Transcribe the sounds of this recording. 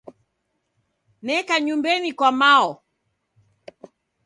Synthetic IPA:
nɛkaɲumbɛnikwamaɔ

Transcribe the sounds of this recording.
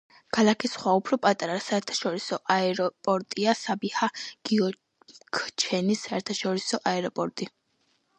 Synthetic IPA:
kʰalˠakʰisχwaupʰɾɔpʼat̪ʼaɾasaɛɾt̪ʰḁʃɔɾisɔʔaɛɾɔpʼɔɾt̪ʼiasabihaɡ̥iɔ | kʰt͡ʃʰɛnisaɛɾt̪ʰaʃɔɾisɔʔaɛɾɔpʼɔɾt̪ʼi

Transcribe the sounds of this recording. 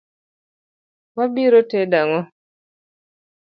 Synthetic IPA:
wabiɾotedaŋɔ

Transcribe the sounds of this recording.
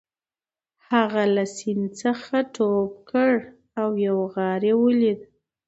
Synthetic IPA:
haɣalasint͡səxaʈʰop̚kəɽ | awjawɣɑɾewəlid̪

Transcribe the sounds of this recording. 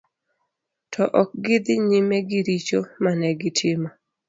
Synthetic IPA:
tʰɔʔɔk̚ɡɪd̪ɪɲimɛɡɪɾit͡ʃomanɛɡɪtʰɪma

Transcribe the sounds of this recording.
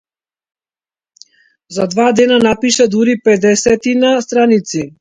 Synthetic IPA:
zad̪vad̪ɛnanapiʃɛd̪uɾipɛd̪ɛsɛt̪inast̪ɾanit̪si

